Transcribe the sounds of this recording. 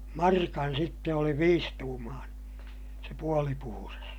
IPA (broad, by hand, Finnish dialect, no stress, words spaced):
mɑrkɑn sitːe oli ʋiːstuːmɑːneː se puoli puhurɑs